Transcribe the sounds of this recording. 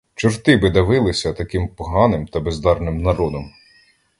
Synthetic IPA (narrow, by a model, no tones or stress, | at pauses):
t͡ʃʊrt̪ɪbɪd̪ɐʋɪlˠɪsʲɐt̪ɐkɪmpɔɦɑnɪmt̪ɐbezd̪ɑrnɪmnɐɾɔd̪ɔm